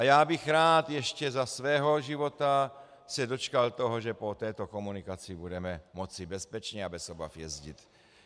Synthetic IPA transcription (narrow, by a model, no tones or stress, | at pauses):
ajaːbixɾaːt̪jɛʃcɛzasvɛːɦoʒivot̪a | sɛdot͡ʃkalt̪oɦoʒɛpot̪ɛːt̪okomunikat͡sɪbudɛmɛmot͡sibɛspɛt͡ʃɲɛabɛsoba̰fjɛzɟit̪